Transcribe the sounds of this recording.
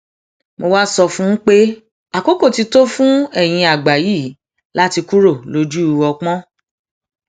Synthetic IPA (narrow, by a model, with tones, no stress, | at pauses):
mo˧wa˦sɔ˧fũ˦n̩˦k͡pe˦ | a˨ko˦ko˦˨ti˧to˦fũ˦ɛ˦˨j̃ĩ˧a˨ɡ͡ba˨ji˦˨ | la˦ti˧ku˦ɾo˦˨lo˧d͡ʒu˦u˧wɔ˧k͡pɔ̃˦